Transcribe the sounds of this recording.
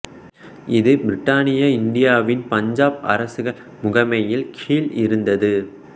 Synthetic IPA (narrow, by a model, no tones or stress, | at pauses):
ʔɪðɯbɪɾɪʈːaːnɪjɐɪɳɖɪjaːʋɪnpɐɲd͡ʒaːpɐ̰ɾɐsɯɣɐl | mʊɣɐmɐjɪlkʰiːlɪɾɯnd̪ɐðɯ